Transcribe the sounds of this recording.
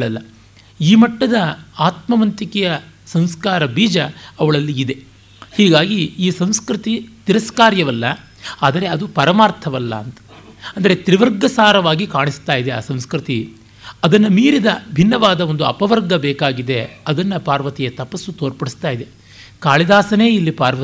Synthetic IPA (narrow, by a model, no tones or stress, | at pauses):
ɭɐlːɐ | iːmɐʈːɐd̪ɐaːt̪mɐʋɐnt̪ikɛjɐ | sɐm̃skaːɾɐbiːd͡ʒɐːʋɐɭɐlːiːd̪e̞ | hiːɡaːɡiiːsɐm̃skɾit̪it̪iɾɐskaːɾjɐʋɐlːɐ | aːd̪ɐɾe̞ɐd̪upɐɾɐmaːɾt̪ʰɐʋɐlːɐ̰ːnt̪ɐ̥ | ɐnd̪ɐɾe̞t̪ɾiʋɐɾɡɐsaːɾɐʋaːɡikaːɳist̪aːjid̪ea̰ːsɐ̃mskɾit̪i | ɐd̪ɐnːɐmiːɾid̪ɐbʱinːɐʋaːd̪ɐo̞nd̪uɐ̰pɐʋɐɾɡɐbɛːkaːɡid̪e̞ɐd̪ɐnːɐpaːɾʋɐt̪ijɐt̪ɐpɐsːut̪oːɾpɐɽist̪aːjid̪e̞ | kaːɭid̪aːsɐne̞ːilːipaːɾʋɐt̪i